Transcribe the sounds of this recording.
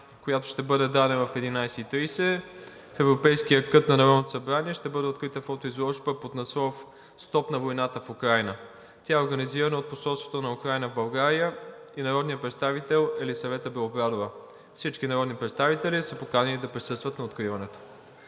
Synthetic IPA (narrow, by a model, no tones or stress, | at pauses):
kojat̪oʃt̪ɛbɤd̪ɛd̪anɛvɐfɛd̪inajsɛit̪ɾijsɛ | fɛvɾopɛjsk̟ijəkɤt̪nɐnɐɾɔd̪not̪o̥sɐbɾaniɛʃt̪ɛbɤd̪ɛot̪̚kɾit̪əfɔt̪oizlˠɔʃbəpot̪nɐsɔf | st̪ɔpnɐvojnat̪əfukɾajnə | t̪ʲaɛoɾɡɐniziɾənɐot̪̚posɔlˠst̪vo̥t̪onɐukɾajnəvbɐlˠɡaɾiə | inɐɾɔd̪nijəpɾɛt̪st̪avit̪ɛlˠɛlisɐvɛt̪əbɛlˠoɡɾad̪ovə | fsit͡ʃkinɐɾɔd̪nipɾɛt̪st̪avit̪ɛlisəpokanɐlid̪ɐpɾisɤst̪vɐt̪nɐot̪kɾivɐnɛt̪o̥